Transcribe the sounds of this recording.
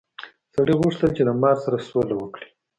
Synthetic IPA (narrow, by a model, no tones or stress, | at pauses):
saɽiɣuʂt̪əlt͡ʃelamɑɾsaɾasolawəkɽi̥